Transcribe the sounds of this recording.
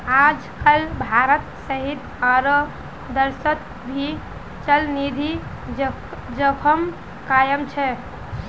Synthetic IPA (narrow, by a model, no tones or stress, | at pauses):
ad͡ʒkəlbʱaɾət̪səɦit̪ | aɾə | d̪əɾsət̪ | bʱi | t͡ʃəlnid̪ʱi | d͡ʒəpʰəm | kajəmt͡ʃʰɛ